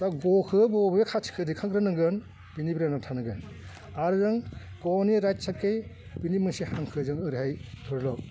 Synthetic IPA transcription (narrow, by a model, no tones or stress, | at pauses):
taɡɔkʰɯbɔbekʰat͡ʃʰi̥kʰɯdikʰaŋɡɾɯnɯŋɡɯn | binibiɾanatʰanɯŋɡɯn | aɾɯzɯŋ | ɡɔniɾajtsakːej | binimɯsihaŋkʰɯzɯŋɯɾihajtʰɔɾlɔk̚